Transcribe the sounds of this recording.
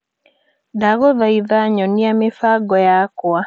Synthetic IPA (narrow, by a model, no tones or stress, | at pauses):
daɣɔðaiðaɲɔniamɪfaɡɔjakwa